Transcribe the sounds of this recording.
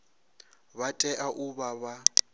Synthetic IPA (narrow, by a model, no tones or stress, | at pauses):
βatʼɛʔaʔuβaβa